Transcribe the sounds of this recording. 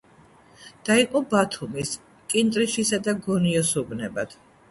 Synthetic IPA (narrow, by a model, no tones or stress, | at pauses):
d̪̥aiqʼɔbat̪ʰumis | kʼint̪ʼɾiʃisad̪aɡɔniɔsubnɛbad̪̥